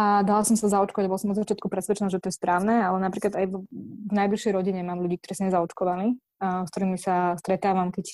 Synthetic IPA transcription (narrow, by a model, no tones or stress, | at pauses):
ad̪alasɔmsazaɔt͡ʃkɔʋaɟabɔlasɔmɔd̪zat͡ʃɪjat̪kupɾɛsʋɛt͡ʃɛnɔʒɛt̪ɔjɛspɾaːʊnɛalɛnapɾiːklad̪ajvvnajbliʃjɛjɾɔɟiɲɛmaːmʎuɟiːk̚t̪ɔɾiːsmɛzaɔt͡ʃkɔʋali | skt̪ɔɾiːmisast̪ɾɛt̪aːʋamkɛc